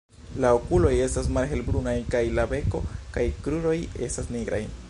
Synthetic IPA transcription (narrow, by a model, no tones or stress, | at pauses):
laokulo̞je̞stas̬malɦe̞lbɾunajkajlabe̞ko̞̰kajkɾuɾo̞je̞̰stasniɡɾa̰j